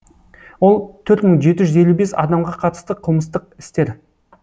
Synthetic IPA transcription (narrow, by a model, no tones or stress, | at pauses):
wo̞lˠt̪ʰɵɾt̪məɴʒe̞t̪ɪʒʏze̞lʲːube̞sɑ̰d̪ɑmʁɑqʰɑt̪ə̥st̪əqʰəlˠməst̪əq̚ɪ̥st̪e̞ɾ